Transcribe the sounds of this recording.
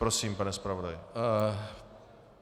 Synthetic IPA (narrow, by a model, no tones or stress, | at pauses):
pɾosiːmpanɛspɾavodajɪ